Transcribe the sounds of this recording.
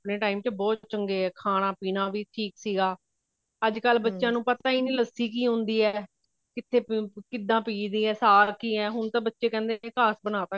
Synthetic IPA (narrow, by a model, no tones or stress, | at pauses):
əpneːʈaːiːmt͡ʃbɔːt̪t͡ʃəŋɡeːɛːkʰaːɽ̃ãːpiːnãːʋiːʈʰiːksiːɡaː | əd͡ʒkəlbətːʃjãːnũːpət̪aːiːnĩːləsiːkiːɦʊ̃nd̪iːɛː | kɪt̪ʰːeːkɪd̪ãːpiːd̪iːɛːsaːɾkiːɛːɦʊnt̪ãːbətːʃeːkɛ̃ːnd̪eːnẽːkaːsbənaːt̪aː